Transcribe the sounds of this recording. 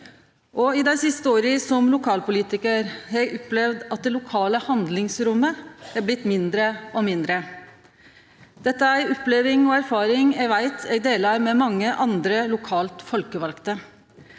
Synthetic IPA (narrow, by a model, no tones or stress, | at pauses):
ʔɔɪd̪æɪsɪst̪əoːɾɪsɔmlʊkʰɑːlpʊliːt̪ɪkəɾhɛɡʔɔpːlɛʋd̪ɑt̪̚d̪ɛlʊkʰɑːləhɑnd̪lɪŋsɾʊmːəæɾblɪt̪ːmɪnd̪ɾəʔɔmɪnd̪ɾə | d̪̥ɛt̪ːəæɪɔpleʋɪŋɔæɾfɑːɾɪŋɛʋæɪt̪ʰɛ̰ɡd̪eːlɑɾmɛmɑŋːəʔɑnd̪ɾəlʊkʰɑːlt̪fɔlkəʋɑlkt̪ə